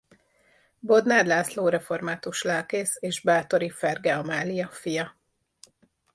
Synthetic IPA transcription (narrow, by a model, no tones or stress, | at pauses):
bo̞d̪naːd̪laːsloːɾɛfo̞rmaːt̪uʃlaːlkeːseːʒbaːt̪o̞ɾifɛrɡɛɒmaːlijɒfijɒ